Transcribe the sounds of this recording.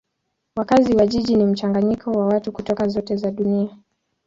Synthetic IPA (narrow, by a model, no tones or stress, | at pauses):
wakaziwaʄiʄinim̩t͡ʃaŋɡaɲikʰɔwawatukutɔkazɔtɛzaɗunia